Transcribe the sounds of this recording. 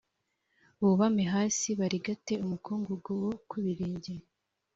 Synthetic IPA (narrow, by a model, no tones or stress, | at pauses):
βuβameɦaːsiβaɾiɡate̞umukuːŋɡuɡowo̞kʰuβiɾiːɲɟe